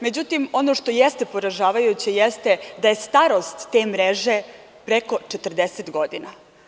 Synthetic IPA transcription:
me̞d͡ʑut̪imo̞no̞ʃt̪o̞jest̪e̞po̞ɾaʒaːʋajut͡ɕijest̪e̞d̪aje̞st̪aɾo̞st̪ːe̞ːmɾeʒe̞ | pɾeko̞t͡ʃet̪r̩d̪eset̪ɡo̞d̪ina

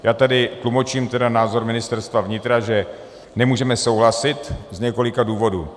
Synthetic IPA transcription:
jaːt̪adɪt̪lumo̞t͡ʃiːmt̪ɛdanaːzo̞ɾmɪnɪst̪ɛɾst̪vavɲɪt̪ɾaʒɛ | nɛmuːʒɛmɛso̞wɦlasɪt̪zɲɛko̞lɪkaduːvo̞duː

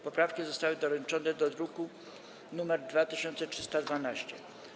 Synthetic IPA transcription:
pɔpɾafkʲizɔst̪awɘd̪ɔɾɛnt͡ʂɔnɛd̪ɔd̪ɾuku | numɛɾd̪vat̪ɘɕɔnt̪sɛtʂɘst̪ad̪vanaɕt͡ɕɛ̰

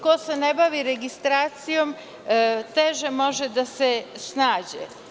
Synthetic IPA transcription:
kosenebaʋiɾeɡist̪ɾaːt̪sijo̞m | t̪eʒemo̞ʒed̪asesnaːd͡ʑḛ

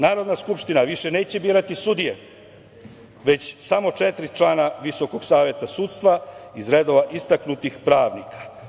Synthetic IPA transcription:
naːɾo̞d̪naskupʂt̪inaʋiʃe̞ne̞ːt͡ɕe̞biːɾat̪isud̪ije | ʋe̞t͡ɕsamo̞t͡ʂet̪ɾit͡ʃlaːnaʋiso̞ko̞ɡsaːʋje̞t̪asuːt̪st̪ʋaizɾed̪o̞ʋaʔist̪aknut̪ixpɾaːʋnikʰḁ

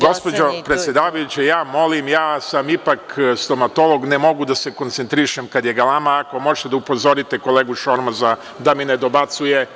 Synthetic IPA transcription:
ɡo̞spod͡ʑo̞pɾet̪sjed̪aːʋajut͡ɕejaːmo̞limjaːsamipakst̪o̞mat̪o̞lˠo̞ɡnemo̞ɡud̪ase̞ko̞nsent̪ɾiʃemkad̪jeɡalamaːko̞moʒe̥t̪ed̪aupo̞zo̞ɾit̪eko̞leːɡuʃo̞ɾmaza | d̪amined̪o̞bat̪suje

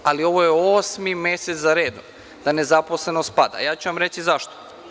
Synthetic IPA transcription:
alio̞ʋojeosmimeset̪zaɾeːd̪o̰m | d̪ane̞zaposle̞nost̪̚pad̪a̰jaːt͡ɕuʋamɾesizaʃt̪o̥

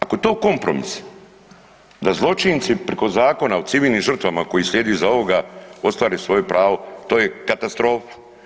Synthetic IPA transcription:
akot̪o̞ːko̞mpɾo̰mḭs | d̪azlˠo̞t͡ʃint̪sipɾeko̞zaːko̞naot̪siʋiːlʲnimʒr̩t̪ʋamako̞jisʎʲe̞ːd̪iuzao̞ʋoɡao̞t̪st̪ʋaːɾesʋo̞jupɾaːʋo̞t̪o̞ːjekat̪ast̪ɾo̞ːfḁ

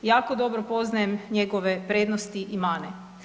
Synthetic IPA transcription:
jaːkod̪o̞bɾopo̞znajemɲeɡoʋepɾeːd̪nost̪iʔimaːne

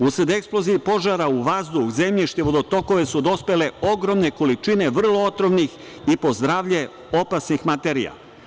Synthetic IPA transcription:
usɾed̪eksplˠo̞ziipo̞ʒaɾauʋazd̪uxzemʎiʃt̪eʋo̞d̪o̞t̪o̞ko̞ʋe̞sud̪o̞spele̞oɡɾo̞mne̞ko̞lit͡ʃine̞ʋr̩lˠo̞ot̪ɾomnix | ipo̞zd̪ɾaːʋʎe̞ | o̞pasnixmat̪e̞ɾia̰

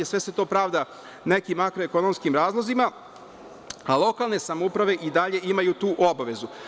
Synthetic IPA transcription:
esʋe̞se̞t̪o̞ːpɾaːʋd̪a | ne̞kimːakɾoeko̞nomskimɾaːzlˠo̞zima | alˠo̞kalˠne̞samoupɾaʋe̞ʔid̪aʎe̞imajut̪uːʔo̞baʋe̞zu

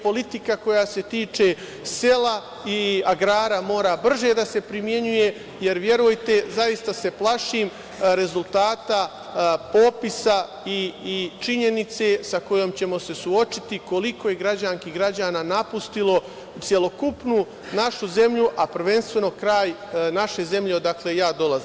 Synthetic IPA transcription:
po̞lit̪ikako̞jase̞t̪iːt͡ʃe̞ | se̞la | iaɡɾaːɾamo̞ːɾabr̩ʒe̞d̪ase̞pɾimje̞ɲuje̞ | je̞ɾʋje̞ɾujt̪e̞zaist̪ase̞plaʃiːm | ɾe̞zulˠt̪aːt̪a | po̞ːpisa | it͡ʃiɲe̞nit̪se̞sako̞jo̞mt͡ɕe̞mo̞se̞suo̞t͡ʃit̪iko̞liko̞je̞ɡɾad͡ʑaŋkiɡɾad͡ʑaːnaːnapust̪ilˠo̞ | t̪sʲje̞lo̞kupnu | naʃuze̞mʎuʔapr̩ʋe̞nst̪ʋe̞no̞kɾaːjnaʃe̞ze̞mʎe̞od̪akle̞jaːd̪o̞lˠazim

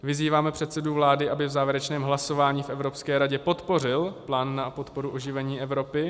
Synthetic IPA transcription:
vɪziːvaːmɛpr̥ɛt̪sɛduvlaːdɪʔabɪvzaːvjɛɾɛt͡ʃnɛːmɦlaso̞vaːɲiːfʔɛvɾo̞pskɛːɾaɟɛpo̞t̪po̞rɪlplaːnːapo̞t̪po̞ɾuʔo̞ʒɪvɛɲiːʔɛvɾo̞pɪ

